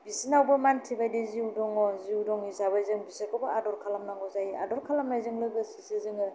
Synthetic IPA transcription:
bisinawbɯmantʰibajdeziudɔŋɔziudɔŋisaβajzɯŋbisɯkʰɔbaadɔɾkʰalamnaŋɔzajia̰dɔɾkʰalamnajzɯŋlɯɡɯsisizɯŋɯ

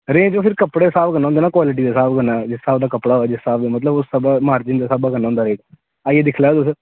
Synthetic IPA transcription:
ɾẽːd͡ʒoːpʰɪɾkəpɽeːsaːbkənːãːnd̪eːnaːkwaːlɪʈ̬iːd̪aːsaːbkənaːd͡ʒɪsːaːbd̪aːkəpɽaːɦoɛːd͡ʒɪstaːbd̪eːmət̪ləbʊsːabaːmaːɾd͡ʒɪnd̪aːsaːbaːkənːaːʊ̃ːnd̪aːɾeːkː | aieːd̪ɪkʰlaːd̪ʊs

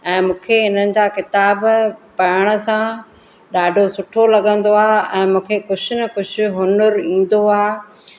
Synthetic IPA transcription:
ɛ̃ːmũːkʰeɦɪn̤ənɪ̆d͡ʑaːkɪt̪aːbpɐɪɽ̃ə̆sã | ɗaːɖʱosʊʈʰolɐɠə̃nd̪oaːɛ̃ːmũːkʰekʊd͡ʑʰʊnɐkʊd͡ʑʰʊɦʊnəɾĩːn̆d̪oaː

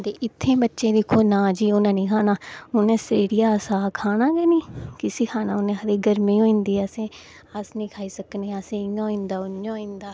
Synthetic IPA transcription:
d̪eːʔɪt̪ʰːẽːbətːʃẽːd̪ɪkʰːoːnãːd͡ʒiːʊnãːnĩːkʰaːnaːʊnẽːseːɽijaːsaːkʰaːnaːɡɛːnĩːkɪsiːkʰaːnãːʊnẽːɦəɾeːɡəɾmĩːɦoːĩːnd̪iːəsẽː | asnĩːkʰaːiːsəkneːəsẽːãːĩːnd̪aːʊãːĩːnd̪aː

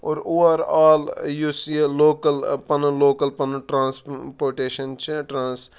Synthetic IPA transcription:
oːɾuʋaɾaːljuseloːkəlpɐnɐloːkɐlpɐnʈɾãːnspoːɾʈeːʃɐnt͡ʃʈɾãːns

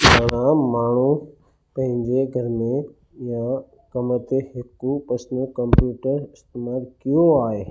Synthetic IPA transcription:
bəɽ̃ãmaːɳ̤u | pɐ̃ɦɪ̃ɲd͡ʑeɡʱɐɾmẽ | ja | kɐmət̪ehɪkupɐsnəkɐ̃mpjuːʈəɾɪst̪emaːlkijoaːɦeː

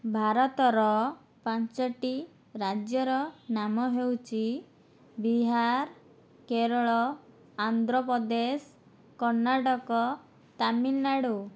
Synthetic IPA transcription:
bʱaɾɔt̪ɔɾɔ | pant͡ʃɔʈi | ɾad͡ʒjɔɾɔnamɔɦewt͡ʃʰi | biɦaɾ | keɾɔɭɔ | and̪ɾɔpɔd̪es | kɔɾnaʈɔkɔ | t̪amilnaɽu

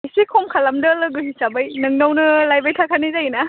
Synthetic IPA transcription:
isikʰomkʰalamdɯlɯɡɯɦisabajnɯŋnawnɯlajbajtʰakʰanizajina

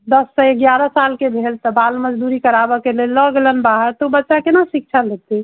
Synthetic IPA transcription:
d̪əsːəeɡjaɾəsalkebʱelt̪ɔbalməd͡ʒd̪uɾikəɾabɔkelelːɔɡelənbaɦəɾt̪ɔubətːʃakenasik̚t͡ʃʰaləɡ̚t̪i

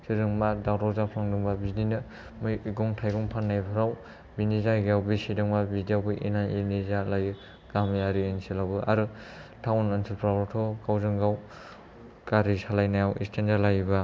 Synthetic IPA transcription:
siɾɯŋmadawɾɔwzapʰlaŋdɯŋbabizninɯ | mɯjiɡɔŋtʰajɡɔŋpʰanːajpʰɯɾaw | binizaɡjawbisidɯŋmabidijawbɯʔinajinizalaj | ɡ̥amiaɾiensilabɯaɾɯ | tʰawnansʰilpʰɾaɡɾɔtʰɔkawzɯŋɡaw | kaɾisalajnajawʔḭstʰenzalajba

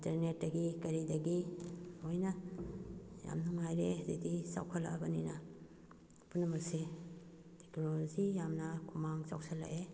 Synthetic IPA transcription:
intɐɾnet̚dɐɡikɐɾidɐɡihojnɐ | ja̰mnuŋajɾezedisa̰wkʰɐla̰ʔɐbɐninɐ | punːɐmɐkse | tʰe̥knolozijamnɐkʰumaŋsa̰w̚salːa̰ʔe

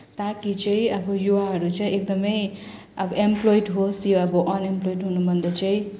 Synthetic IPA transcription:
t̪akit͡sʌĩʌbʌjuwaɦʌɾut͡sʌĩek̚d̪ʌmʌj | ʌbʌʔemploiɖɦosjoʌbʌʔʌnemplojʈɦunubʱʌnd̪ʌt͡sʌĩ

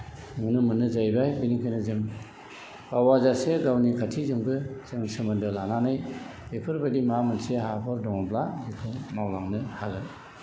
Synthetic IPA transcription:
mɯnɯmɯnɯzajbajbiniŋkʰajnɯzɯŋ | kawazaseɡawnikʰatʰizɯmɡɯsɯŋsɯmɯndɯlananɯjbepʰɯɾbadimamɯnseɦapʰɯɾdɔŋɔblabikʰɯŋmawlaŋnɯhalɯ

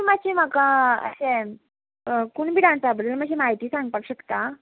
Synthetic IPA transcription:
mad͡ʑim̤akaə̰sẽ | kuːɳbiɽãnt͡sabəd̪əlmad͡ʑimaɦit̪iːsãŋɡ̚paʈɕəkt̪a

